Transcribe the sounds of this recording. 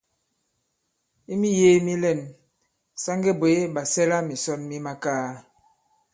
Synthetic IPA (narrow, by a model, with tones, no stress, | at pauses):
i˦mi˦je˦mi˦lɛ˦˨n | sa˦ŋɡe˦bo˨e˦ba˨sɛ˦la˦mi˨sɔ˦nmi˦ma˦kaː˦